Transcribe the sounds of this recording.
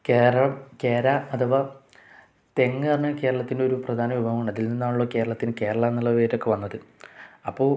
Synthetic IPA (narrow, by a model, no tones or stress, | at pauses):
keːɾɐɭɐke̞ːɾaɐt̪uʋɐ | t̪e̞ŋːɨɐnːɨke̞ːɾɐɭɐt̪ːindeo̞ɾuprɐd̪ʱaːnɐʋibʱɐɦɐmuɳɐðilninːaːnuɭːɐke̞ːɾɐɭɐt̪ːinɨke̞ːɾɐɭɐnːɐlːɐʋeːɾo̞kːe̞ʋɐnːɐðɨɐpːoː